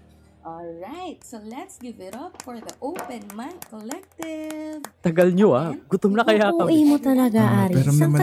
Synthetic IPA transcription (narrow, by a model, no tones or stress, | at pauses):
ʔɔlɹajt̪̚solɛt̪sɡɪvɪɾɐpfɔɹðɐʔowpɛ̃nmantkɔlɛk̚t̪ɪvt̪ɐɡɐlɲoʔaɡʊt̪omnɐkɐjaːkːɐʔimot̪ɐlɐɡaʔaɾpɛɾɐnɐ